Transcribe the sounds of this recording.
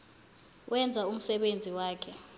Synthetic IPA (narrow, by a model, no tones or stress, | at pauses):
wʔɛnd͡zʱaum̩sɛɓend͡zʱiwaːkʰɛ